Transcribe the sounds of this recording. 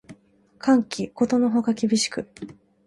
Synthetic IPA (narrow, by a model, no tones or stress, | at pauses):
kʰãŋkʲiko̞t̪o̞no̞ɦo̞kakʲibʲiɕi̥kɯ̟